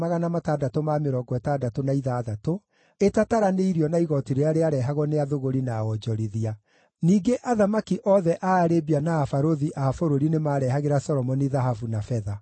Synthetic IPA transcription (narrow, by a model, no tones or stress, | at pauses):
maɣanamatadatomameɾɔɡwɛtadatonaiðaːðato | etataɾaneiɾiɔnaiɣɔtiɾeaɾeaɾɛɦaɣɔneaðoɣoɾinaɔd͡ʒɔɾiðia | niːɡeʔaðamakiʔɔðɛʔaːɾebianaːfaɾoðiʔaːfoɾoɾinemaːɾɛɦaɣeɾasɔɾɔmɔniðaɦafunafɛða